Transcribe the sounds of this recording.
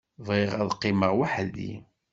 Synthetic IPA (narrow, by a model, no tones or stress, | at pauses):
ðˤʁɪʁæðqːiməʁwaħðḭ